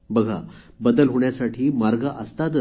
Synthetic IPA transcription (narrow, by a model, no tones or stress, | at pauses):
bəɡʱa̰ | bəd̪əlɦoɳjasaʈʰiːmaɾɡəʔəst̪at̪